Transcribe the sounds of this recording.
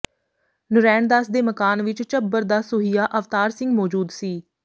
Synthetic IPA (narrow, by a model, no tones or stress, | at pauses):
nʊɾɛːnd̪aːsd̪eːməkaːnʋɪt͡ʃt͡ʃəbːəɾd̪aːsʊɦijaːʔəft̪aːɾsɪ̃ŋɡmɔːd͡ʒuːd̪siː